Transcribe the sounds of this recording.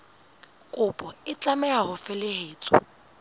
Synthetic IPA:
kʼʊpʼɔɪt͡ɬʼamɛahʊfɛlɪheːt͡sʼɔ̰

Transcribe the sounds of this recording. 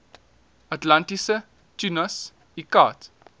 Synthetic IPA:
atlantisə | tunɐs | ikaːt

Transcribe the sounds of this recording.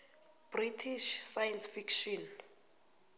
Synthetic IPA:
b̥ritʰiʃsajɛnsfikʃɔn

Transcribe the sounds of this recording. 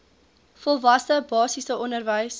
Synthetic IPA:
fɔlˠvɐsəbɑːsisəɔndərvəjs

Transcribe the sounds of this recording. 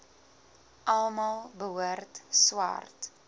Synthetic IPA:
ʔɐlˠmɐlˠbəwərtswɐ̰rt

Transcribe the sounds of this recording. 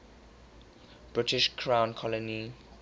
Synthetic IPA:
b̥ɹɪtɪʃkʰɹãʊ̃nkʰɔləni

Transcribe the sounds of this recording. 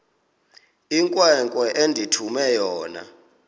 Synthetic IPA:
iŋkʼwɛŋkʼwɛʔendʱitʰumɛjɔːna̰

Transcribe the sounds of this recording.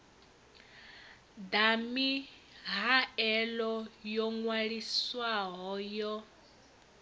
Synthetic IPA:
d̪ami | ɦaɛlɔjɔŋwaɺiswaɦɔjɔ

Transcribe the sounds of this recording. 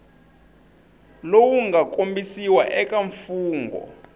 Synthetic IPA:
lowuŋɡakʼombisiwaʔɛkʼaɱfuːŋɡɔ̰

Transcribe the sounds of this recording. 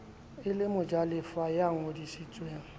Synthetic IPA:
ɪlɪmʊd͡ʒalɪfajaŋ̩odisit͡sʼweːŋ̩

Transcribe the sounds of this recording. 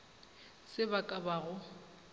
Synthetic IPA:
sɪbakʼabaːɣʊ

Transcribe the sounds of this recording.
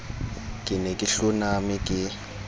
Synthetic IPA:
kʼɪnekʼiɬunamikʼɪ

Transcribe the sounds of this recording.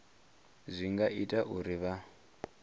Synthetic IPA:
zʷiŋɡaʔitʼaʔuɾiβa

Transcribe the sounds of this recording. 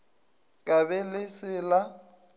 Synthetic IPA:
kʼabɛlɪsɪla

